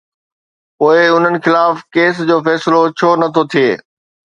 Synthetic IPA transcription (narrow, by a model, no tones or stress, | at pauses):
poːɪʊn̤ənɪ̆xɪlaːfkeːs̬d͡ʑoːfɛːsɪlot͡ɕʰoːnɐt̪ʰot̪ʰijeː